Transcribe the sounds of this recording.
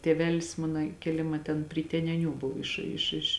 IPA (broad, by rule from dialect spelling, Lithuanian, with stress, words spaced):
tʲeːˈʋʲæːlʲɪs ˈmɑːnɐ kʲeːˈlʲɪmɐ tʲɛn pʲrʲɪ tʲɛnʲɛˈnʲuː ˈbʊw ˈɪʃ ɪʃ ɪʃ